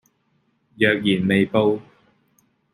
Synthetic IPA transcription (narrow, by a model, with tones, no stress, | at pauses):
jœː˨k̚jiː˨˩nme˨jpo˧w